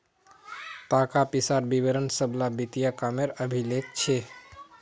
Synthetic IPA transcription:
t̪akapisaɾbiʋeɾənsəblabit̪ijakameɾəbʱilekt͡ʃʰe

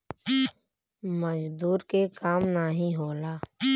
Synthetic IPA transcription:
məd͡ʒd̪uːɾkekaːmnaɦĩɦoːlaː

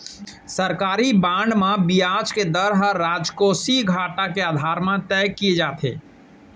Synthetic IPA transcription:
səɾkaːɾibãːɳɖmãbijaːd͡ʒked̪əɾɦəɾaːd͡ʒkoːsiɡʱaːʈakeaːd̪ʱaːɾmãt̪ɛjkied͡ʒaːt̪ʰḛː

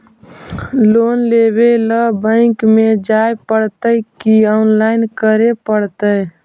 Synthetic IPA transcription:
loːnlebeləbə̃ɪ̃kmed͡ʒajpəɽt̪əjkiɔnlaɪnkəɾepəɽt̪əj

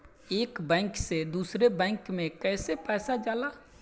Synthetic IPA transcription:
eːkbɛ̃ːŋksed̪uːsɾebɛ̃ːŋkmẽkɛːsepɛːsad͡ʒaːlaː

